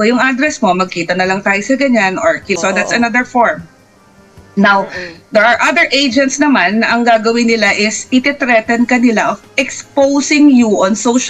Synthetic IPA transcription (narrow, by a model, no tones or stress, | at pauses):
ojʊŋʔad̪ɾɛsmo̞mɐɡ̚kiːt̪ɐnɐlɐŋt̪aːjosɐɡɐɲanoɹkɪsod̪at̪sɐnɐd̪ɛɹfoɹm | nawd̪ɛɹʔɐɹʔɐd̪ɛɹʔejd͡ʒɛnt̪snɐmanɐʔɐŋɡaːɡɐwɪnɪlaʔɪsɪt̪ɛt̪ɾɛt̪ɛnkɐnɪlaʔofɛkspowsɪŋjuʔɔnsowʃ